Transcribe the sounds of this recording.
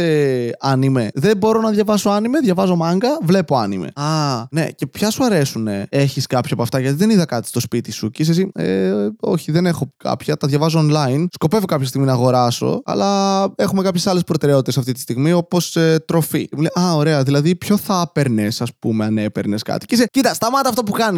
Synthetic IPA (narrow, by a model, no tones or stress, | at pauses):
eɐnime̞ðebo̞ɾo̞nɐðʝɐvɐso̞ɐnime̞ðʝɐvɐzo̞mɐŋɡɐvle̞poɐnimḛɐne̞̰ce̞pçɐsuɐɾe̞sune̞e̞çiskɐpçɐpoɐft̪ɐʝɐt̪iðe̞niðɐkɐt̪i̥st̪o̞spit̪isucis̬es̬ieo̞çiðene̞xo̞kɐ̰pçɐt̪ɐðʝɐvɐz̬oonlɐinsko̞pe̞vo̞kɐpçɐst̪iɣminɐːɣo̞ɾɐso̞̰ɐ̰lɐe̞xumekɐpçe̞sɐlespɾo̞t̪e̞ɾe̞o̞t̪it̪sɐft̪it̪i̥st̪iɣmio̞po̞set̪ɾo̞fḭmleʔɐo̞ɾe̞ɐðilɐðipço̞θɐpe̞ɾne̞sɐspume̞ɐne̞peɾne̞skɐ̰t̪iceisecit̪ɐst̪ɐmɐt̪ɐːft̪op̬ukɐni